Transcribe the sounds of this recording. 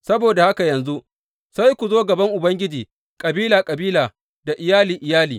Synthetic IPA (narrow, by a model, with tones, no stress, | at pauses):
sɐ˦boː˨da˨ha˦ka˨jɐ˨nzu˦ʔ | sa˦jkʷu˨zoː˦ɡɐ˨bɐ˦ŋʔʊ˨bɐ˦ŋɡʲɪ˦d͡ʒiː˨ | kʼɐ˨biː˦laː˨kʼɐ˨biː˦laː˨ | da˨ʔɪ˨jaː˦liː˨ʔɪ˨jaː˦liː˨